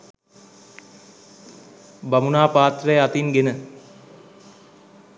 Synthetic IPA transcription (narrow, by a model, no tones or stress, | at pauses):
bamunaːpaːt̪rəjat̪inɡenə